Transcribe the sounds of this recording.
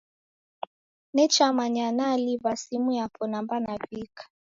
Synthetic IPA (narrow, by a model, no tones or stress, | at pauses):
nɛt͡ʃamaɲanaliβasimujapʰɔnambanavikḁ